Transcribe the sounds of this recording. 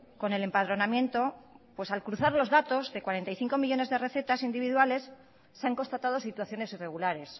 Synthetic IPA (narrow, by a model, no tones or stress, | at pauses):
ko̞ne̞le̞mpað̞ɾo̞namje̞nt̪o̞pwe̞salkɾuθaɾlo̞zðat̪o̞zðe̞kwaɾe̞nt̪ajθiŋko̞miʎo̞ne̞zðe̞re̞θe̞t̪asind̪iβ̞iðwale̞sː | eaŋko̞nst̪at̪að̞o̞sit̪waθjo̞ne̞sire̞ɣulaɾe̞s